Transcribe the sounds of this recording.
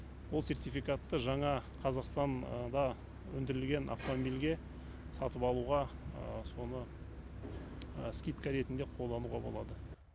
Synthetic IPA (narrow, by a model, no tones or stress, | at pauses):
wolˠse̞rt̪ijfijkat̪ːəʒɑɴɑqʰɑzɑqst̪ɑnd̪ɑ | wɵ̰nd̪ɪɾɪlɡʲe̞nʔa̰ft̪o̞mobilɡʲe̞ | sɑt̪əpɑlˠuʁɑso̞nə | skʲijt̪kaɾe̞t̪ɪnd̪e̞qʰo̞lˠd̪ɑnuʁɑbolˠɑ̰d̪ə